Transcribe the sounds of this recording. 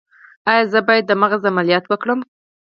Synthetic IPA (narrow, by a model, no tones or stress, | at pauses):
ɑjɑzəbɑjad̪amaɣazamalijɑt̪wəkɽəm